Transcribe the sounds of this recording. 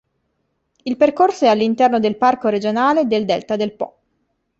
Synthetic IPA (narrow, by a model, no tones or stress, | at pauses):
ilperkorsoɛalːint̪ɛrnod̪elparkoɾed͡ʒonaːled̪eld̪ɛlt̪ad̪elpɔ̰